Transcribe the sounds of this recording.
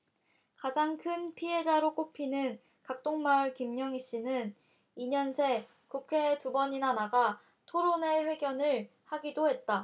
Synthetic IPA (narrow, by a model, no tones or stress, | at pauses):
kad͡ʑaŋkʰɯnpʰiɦe̞d͡ʑaɾok͈opʰinɯn | kak̚t͈oŋmauɭkimɲʌŋiɕ͈inɯn | iɲʌnsʰe̞ | kukʰe̞tubʌɲinanaɡa | tʰoɾone̞ɸwe̞ɡjʌnɯɭ | haɡidohe̞t̚t͈a